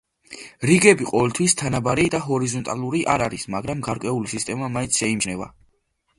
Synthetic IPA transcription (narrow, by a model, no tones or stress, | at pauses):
ɾiɡɛbiqʼɔvɛlt̪ʰwist̪ʰanabaɾid̪aɦɔɾizɔnt̪ʼalˠuɾiʔaɾaɾismaɡɾamɡaɾkʼwɛulisist̪ʼɛmamaĩnt̪sʰʃɛimd͡ʒnɛva̰